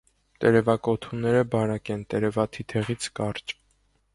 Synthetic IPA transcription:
t̪ɛɾɛvɑkɔt̪ʰunɛɾəbɑɾɑkɛnt̪ɛɾɛvɑt̪ʰit̪ʰɛʁit͡sʰkɑrt͡ʃ

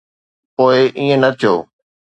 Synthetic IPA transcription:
poːɪʔĩːə̃nɐt̪ʰijoː

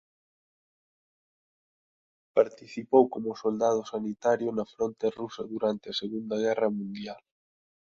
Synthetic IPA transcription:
paɾt̪iθipowkomʊsold̪að̞ʊsanit̪aɾjʊnɐfɾɔnt̪erusɐðuɾant̪ɪɐseɣund̪ɐɣ̞ɛrɐmũnd̪jal

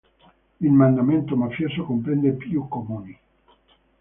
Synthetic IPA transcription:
ilmand̪ament̪omafjosokompɾɛnd̪epjukːomuːni

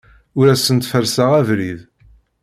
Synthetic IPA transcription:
ʊɾæsənt̪fəɾsaʁævɾið

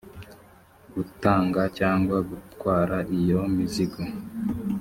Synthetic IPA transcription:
ɡ̥utaːŋɡacaːŋɡwaɡutkwaːɾaʔijomiziɡo

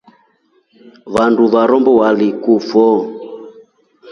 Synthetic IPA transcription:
βanduβaɾɔmbɔwalikufɔ

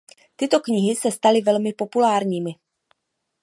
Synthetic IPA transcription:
t̪ɪt̪o̞kɲɪɦɪsɛst̪alɪvɛlmɪpo̞pulaːɾɲiːmɪ

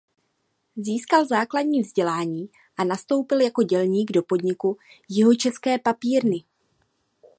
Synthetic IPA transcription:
ziːskalzaːkladɲiːvzɟɛlaːɲiː | ʔanast̪o̞wpɪljako̞ɟɛlɲiːɡdo̞po̞dɲɪku | jɪɦo̞t͡ʃɛskɛːpapiːɾnɪ

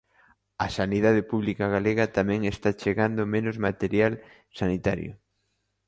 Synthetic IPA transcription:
ɐsaniðað̞epuβ̞likaɣaleɣɐt̪amɛ̃ŋest̪at͡ʃeɣand̪omẽnʊzmat̪eɾjal | sanit̪aɾjʊ̰

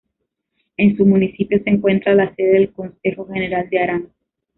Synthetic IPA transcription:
e̞nsumunisipjo̞seːŋkwe̞nt̪ɾalase̞ðe̞ðelko̞nse̞xo̞xe̞ne̞ɾald̪eaɾaŋ

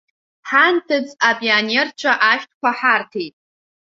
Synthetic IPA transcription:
ħantʰɨd͡zapʼionert͡ʃʷʰaʔaʃtʰkʷʰaħartʰejtʼ

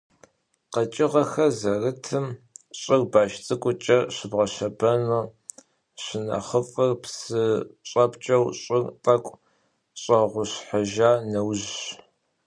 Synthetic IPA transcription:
qɐt͡ʃʼɪʁɐxɐzɐrɨtʰɨmɕʼɪrbaːʃt͡sʼɨkʷʼʊt͡ʃʼɐɕɪbʁɐɕɐbɐnoː | ɕɪnɐ̰χəfʼɐrpsɨɕʼɐpʰʼt͡ʃʼɐwɕʼɪrtʼɐkʷʼ | ɕʼɐʁʷʊɕħaʒaːnɐwʑɕ

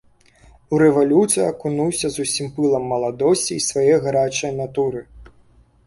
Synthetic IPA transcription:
uɾɛvalʲut̪sɨjɐkunuwsʲɐzusʲimpɨlˠɐmːɐlˠad̪ɔsʲt͡sʲiːsvajɛɣaɾat͡ʂɐjnat̪uɾɨ

